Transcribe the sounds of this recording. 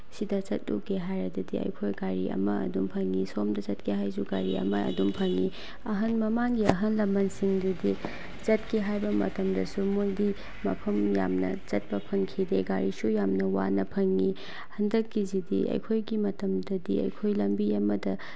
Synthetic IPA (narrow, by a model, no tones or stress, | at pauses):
sidɐt͡ʃɐt̚lṵkeɦajɾɐdɐdiɐ̰jkʰojɡaɾḭʔɐ̰mɐɐ̰dumpʰɐŋːisomdɐt͡ʃɐt̚kʰeɦajzuɡaɾiɐ̰mɐɐ̰dumpʰɐŋːi | ɐɦɐnmɐmaŋɡiɐɦɐnlɐmbɐnsiŋdudi | t͡ʃɐtkʰiɦajbɐmɐ̰tɐmdɐsumojdi | mɐ̰pʰɐmja̰mnɐ̰t͡ʃɐt̚pɐpʰɐnkʰideɡaɾisujamnɐwa̰nɐpʰɐŋːi | hɐndɐkːizidḭʔɐ̰jkʰojɡimɐtɐmdɐdiɐ̰jkʰojlɐmbiɐmɐdɐ